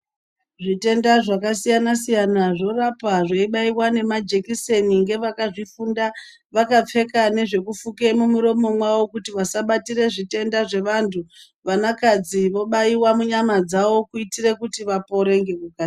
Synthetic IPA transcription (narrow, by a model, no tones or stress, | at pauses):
ʐite̞ndaʐakas̬ijanasijanaʐo̞rapaʐaiɓaiwane̞mad͡ʒe̞kise̞niŋɡe̞ʋakaʐifunda | ʋakap͡fe̞kane̞ʐe̞kufukemumuɾo̞mo̞mwawo̞kutiʋasaɓatire̞ʐite̞ndaʐe̞ʋantʰu | ʋanakad͡ziʋo̞ɓaiwamuɲamad͡zaʋo̞kuitire̞kutiʋapo̞ɾe̞ŋɡe̞kuka